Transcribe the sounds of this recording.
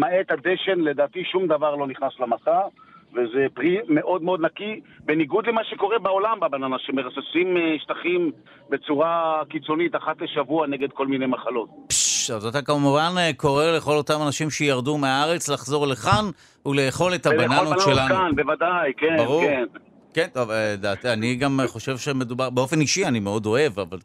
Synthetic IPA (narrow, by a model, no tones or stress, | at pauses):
maet̪ad̪eʃe̞nle̞d̪aːt̪iʃumd̪avaʁlo̞niχnaslamasavezepʁime̞ʔo̞d̪meo̞d̪nakibeniɡud̪lemaʃeko̞ʁebao̞lambabananaʃemeʁasesimiʃt̪aχim | be̞t͡suʁakit͡so̞nit̪aχat̪leʃavuaneɡe̞d̪̚ko̞lminejmaχalo̞t̪̚pʃavzot̪akamuvanko̞ʁeleχo̞lo̞tamanaʃimʃejaʁdumeaaʁe̞t͡slaχzo̞ʁleχan | ule̞ːχo̞lethabananʃelankanbevadajkebaʁuen | kent̪ovdat̪aniɡamχo̞ʃe̞vʃeme̞d̪ubaʁbeo̞fe̞niʃianimeo̞do̞e̞vaval